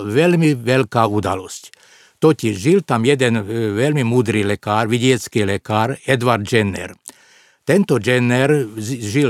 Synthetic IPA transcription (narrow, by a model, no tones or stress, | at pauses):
ʋɛlmiʋɛlkaːud̪a̰lɔsc | t̪ɔciʒʒilt̪amjɛd̪ɛnʋɛlmimuːd̪ɾiːlɛkaːɾʋiɟɪɛt͡skiːlɛkaːɾɛd̪ʋaɾd̪d͡ʒɛnɛ̰ɾ | t̪ɛnt̪ɔd͡ʒɛnɛɾʒi